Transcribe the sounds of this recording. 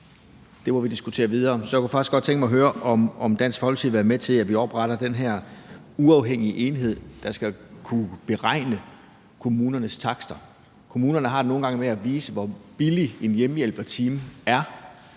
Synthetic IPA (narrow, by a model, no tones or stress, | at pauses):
d̥e̝mɒʋid̥isɡ̥ut͡sʰe̝̰ːɐʋið̞ˠɐːsɒ̽jäku̥fɑ̈ɡ̥isɡ̥ɒ̥̽t͡sʰeŋɡ̥mɑ̈ɪɦøːɐʔɒ̽mɒ̽md̥æn̰sfɒɒlt͡sʰiðˠʋæɐmet͡sʰe̝læʋiɒb̥ʁɑɾ̥ɐd̥enɦæɐ̰ | uɑ̈ʊɦeŋ̰iəʔe̝nɦe̝ð̞̰ˠd̥ɑ̈sɡ̥ækʰub̥e̝ʁɑ̈ɪ̰nə | kʰo̝muːnɐnəst͡sʰɑ̈ɡ̥sd̥ɐ | kʰo̝muːnɐnəɦɑ̈deno̝ːn̩ɡ̥ɑ̈ŋəmeæʋiːsəʋɒb̥ilie̝njemjel̰b̥ɐt͡sʰiːmæɐ